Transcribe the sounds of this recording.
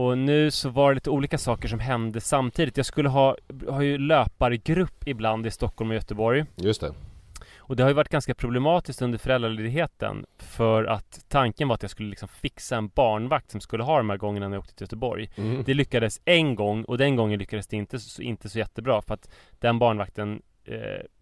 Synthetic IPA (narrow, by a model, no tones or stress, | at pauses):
ɔnʉ̟ːsɔvaɖɛliːt̪əuːliːkasɑːkəʂɔmɦɛnd̪əsamt̪ʰiːd̪ɪt̪jɑːɡskɵlːəɦɑːhaɾjɵløːpaɾəɡɾɵpːɪbland̪ɪst̪ɔkʰːɔlmɔjœt̪əbɔɾjjɵst̪ɛ̰ | ɔd̪ɛhaɾjɵvaʈ̚ːɡ̥anskapʰɾʊblɛmɑːt̪ɪskt̪ɵnd̪əɾfœɾɛlɾaɭeːd̪ɪɡɦeːt̪ə̰nfœɾa̰t̪ʰːaŋkənvaɾat̪jaskɵləlɪksɔmfɪksaɛnbɑːɳvak̚t̪sɔmskɵlːəɦɑːd̪ɔmhæːɾɡɔŋːənanajoːkt̪ət̪ʰɪljœt̪əbɔ̰ɾjd̪ɛlʏkːad̪əsɛnɡɔŋːɔd̪ɛnɡɔŋːənlʏkːad̪əsd̪ɛɪnt̪əɔɪ̰nt̪əsɔjɛt̪ːəbɾɑːfœɾat̪ | d̪̥ɛnbɑːɳvak̚t̪ən̰